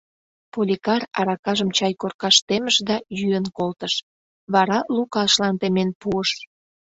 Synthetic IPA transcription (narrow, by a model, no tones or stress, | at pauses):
polʲikɑrɑɾɑkɑʒəmt͡ɕɑjkorkɑʃt̪eməʃd̪ɑjyənkolt̪əʃ | βɑɾɑlukɑʃlɑnt̪emenpuəʃ